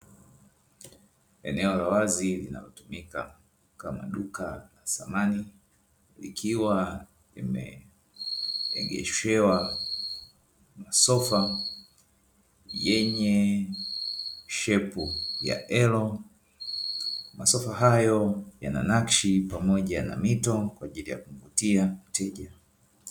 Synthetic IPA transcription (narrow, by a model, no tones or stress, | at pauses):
ɛnɛɔlawazilina̰lɔtumika | kama̰ɗukalasamani | lḭkʰiwa | ḭmɛ̰ | ɛ̰ɡɛ̰ʃɛwa | masɔfa | jɛɲɛ | ʃɛpuja̰ʔɛlɔ | masɔfaɦajɔja̰na̰nakʃipamɔʄana̰mitɔkwaʄilija̰kum̩vutiam̩tʰɛʄa